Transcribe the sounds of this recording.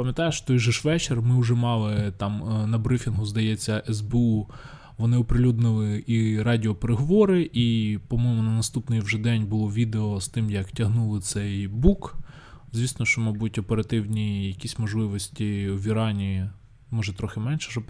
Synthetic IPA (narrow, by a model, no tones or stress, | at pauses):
pɐmʲjɐt̪ɑjʃt̪ɔjʒɛʃʋɛt͡ʃermɪʊʒɛmɑlˠɪt̪ɑmnɐbɾɪfʲinɦʊzd̪ɐjɛt͡sʲːɐʔɛzbeu | ʋɔnɪɔpɾɪlʲud̪nɪlˠɪiɾɑdʲiɔpeɾeɦɔʋɔɾɪʔipɔmɔjmʊnɐnɐst̪upnɪjwʒɛd̪ɛnʲbʊlˠɔʋʲid̪eɔst̪ɪmjɐktʲɐɦnulˠɪt̪sɛjbuk | zʲʋʲisnɔʃt͡ʃɔmɑjbutʲɔpeɾɐt̪ɪwnʲijɐkʲisʲmɔʒlˠɪʋɔsʲtʲiwʋʲiɾɑnʲi | mɔʒɛt̪ɾɔxɪmɛnʲʃɛ̥ʒɔ